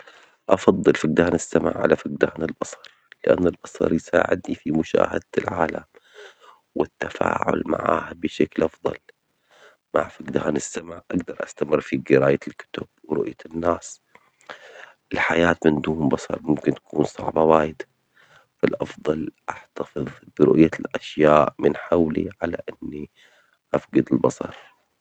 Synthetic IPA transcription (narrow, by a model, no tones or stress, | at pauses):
ʔɑfɑd̪ˤːɨlfɪɡ̚d̪aːnɪsːama̰ʕʕa̰lafɪɡ̚d̪aːnɪlbɑsˤɑɾˤlɪʔa̰nːalbɑsˤɑ̰ɾˤjsa̰ːʕɪ̰d̪nifimʊʃa̰ːhad̪ɪlʕaːla̰m | wɪt̪ːafa̰ːʕʊ̰lma̰ʕa̰ːhabɪʃaklʔɑfðˤɑ̰l | ma̰ʕfaɡd̪aːnɪsːamaʕʔaɡd̪ɑɾˤʔast̪amɪrːfiɡɪɾaːjalkʊ̥t̪ʊb̥̚wɪɾʊʔjanːaːs | ʔɪlħajaːt̪mɪnd̪uːmbɑsˤɑ̰ɾˤmʊmkɪnt̪ḁkuːnsˤɑʕbɑwaːjɪd̪a | falʔɑfðˤɑlʔaħt̪afɨðˤb̥ɪɾʊʔjalʔaʃjaːʔmɪnħawlḭʕalaʔɪnːi | ʔafɡad̪ɪlbɑsˤɑ̰ɾˤ